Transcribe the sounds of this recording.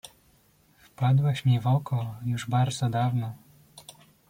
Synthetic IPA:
fpad̪wɛɕmʲivɔkɔjuʐbaɾd̪zɔd̪avnɔ

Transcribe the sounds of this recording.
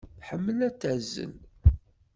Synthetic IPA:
θħəmːəlæt͡sːæzːə̰l

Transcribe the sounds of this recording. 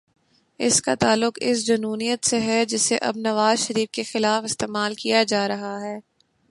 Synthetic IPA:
ɪskat̪aːlːʊqɪ̰s̬d͡ʒɐnuːnijət̪seɦɛd͡ʒɪseʔɐ̰bnɐʋaːzʃɐɾiːfkexɪlaːfɪst̪eːmaːlkijad͡ʒaːɾɐɦaɦɛː

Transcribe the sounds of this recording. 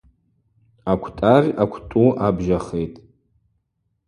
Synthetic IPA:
akʷʰtʼarʲakʷʰtʼuʔabʒaχejtʼ

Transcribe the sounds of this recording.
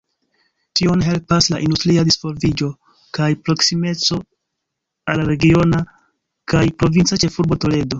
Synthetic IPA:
tio̞nɦe̞lpaslaʔindustɾiadisfo̞ɾvid͡ʒo̞ | kajpɾo̞ksime̞t͡so̞ | alaɾe̞ɡio̞na | kajpɾo̞vint͡sat͡ʃe̞fuɾbo̞to̞le̞do̞

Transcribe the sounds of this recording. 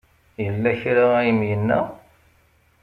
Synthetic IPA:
jəlːæçɾaæjəmjənːæ̰

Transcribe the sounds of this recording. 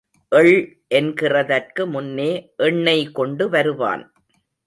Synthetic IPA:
ʔɛɭ | ʔɛnɡɪrɐðɐrkɯmʊnːeːʔɛɳːɐɪkɔɳɖɯʋɐɾɯʋa̰ːn

